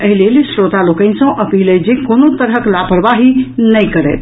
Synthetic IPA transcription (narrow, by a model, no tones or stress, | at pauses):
əɦilelsɾot̪alokə̃nsə̃ʔəpiləd͡ʒekonot̪əɾɦəklapəɾʋaɦinəjkəɾɛ̰t̪ʰ